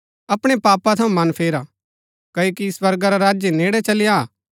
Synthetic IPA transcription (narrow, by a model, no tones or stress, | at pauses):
ɐpɽ̃epaːpat̪ʰɐũmɐnpʰeːɾa | kɐoːkisʋɐɾɡaɾaɾaːd͡ʒjeneːɽɛt͡ʃɐlɪja